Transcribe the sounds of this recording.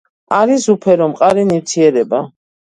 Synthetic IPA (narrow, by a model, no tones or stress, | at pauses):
aɾisupʰɛɾɔmqʼaɾiniwt̪ʰiɛɾɛba